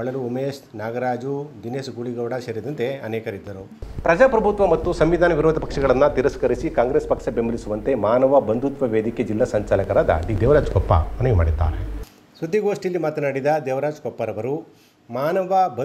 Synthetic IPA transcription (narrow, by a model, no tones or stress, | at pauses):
ɐɭɐluomeːʃnaːɡɐɾaːd͡ʒud͡ʒ̪ineːsɡuɭiɡɐʋɽɐʃɐɾid̪ɐnt̪e̞ɐnɛːkɐɾid̪ːɐɾu | pɾɐd͡ʒaːpɾɐbʱut̪ʋɐmɐt̪ːusɐmʋid̪ʱaːnɐʋiɾoːd̪ʱɐpɐkʂɐɡɐɭɐnːɐt̪iɾɐskɐɾisikaːŋɡɾeːspɐkʂɐbembʱɐlisuʋɐnt̪emaːnɐʋɐbɐnd̪ʱut̪ʋɐʋeːd̪ikjeɐd͡ʒilːasɐɲt͡ʃaːlɐkɐɾaːd̪ɐ̰ɖid̪eːʋɾaːd͡ʒkɔpːa̰mɐnɐjuma̰ːɽid̪ːa̰ːɾe | sʋɐt̪ːiɡoːʂʈijɐlːimaːt̪ɐnaːɽid̪ɐd̪eːʋɾaːd͡ʒɡɔpːɐɾɐʋɐɾu | maːnɐʋɐbɐ